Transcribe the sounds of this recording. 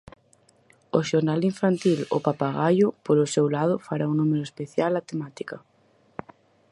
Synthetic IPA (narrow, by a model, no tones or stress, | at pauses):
oʃoɾnaliɱfant̪ilʊ̰papaɣajʊpoɾʊsewlað̞ʊfaɾaunumeɾoespeθjalat̪emat̪ikɐ